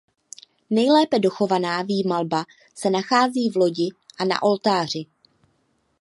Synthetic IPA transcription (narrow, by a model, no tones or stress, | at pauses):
nɛjlɛːpɛdo̞xo̞vanaːviːmalba | sɛnaxaːziːvlo̞ɟɪʔana̰ʔo̞lt̪aːr̝ɪ